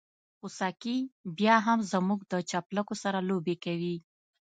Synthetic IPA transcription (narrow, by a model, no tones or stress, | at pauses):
xusakibjɑɦamzamuɡd̪ət͡ʃaplakosaɾalobekawi